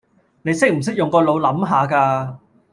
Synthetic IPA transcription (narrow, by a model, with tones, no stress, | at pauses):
ne˨˧jsɪ˥k̚m̩˨˩s̬ɪ˥k̚jʊ˨ŋkɔː˧lo˨˧wlɐ˨˥mɦaː˨˧kaː˧